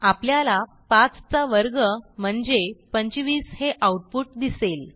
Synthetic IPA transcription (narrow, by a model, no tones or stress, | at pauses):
apljala | pãt͡st͡saʋəɾɡəm̤əɳd͡zepəɲt͡ɕʋiːsheʔauʈ̚puʈ̚d̪isel